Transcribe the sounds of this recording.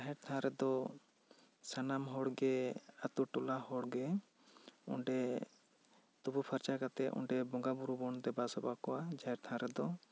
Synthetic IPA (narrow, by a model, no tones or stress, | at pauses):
d͡ʒaɦɛɾt̪ʰãɾɛd̪ɔ | sanamɦɔɽɡɛat̪uʈɔlahɔɽɡɛ | ṵɳɖɛ | t̪ubupʰəɾt͡ʃakat̪ɛʔṵɳɖɛbɔŋɡabuɾubɔɳd̪ɛbasɔbakɔwad͡ʒaɦɛɾt̪ʰãɾɛd̪ɔ